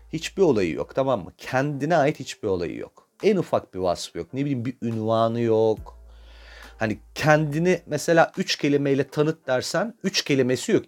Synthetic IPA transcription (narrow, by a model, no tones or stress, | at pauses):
hit͡ʃbio̞lˠajɯ̰jo̰kt̪ʰamamːɯ̰cʰɛnd̪inɛaːjit̪hit͡ʃbio̞lˠa̰jɯ̰jo̰k | ænufak̚biva̰sfjok̚nebilʲiːmbiynvaːnɯjok | hanicʰɛnd̪inimɛse̞lʲaːyt͡ʃcʰe̞lʲimejlʲɛt̪ʰanɯt̪̚d̪æɾsænyt͡ʃcʰelʲime̞sijo̞k̚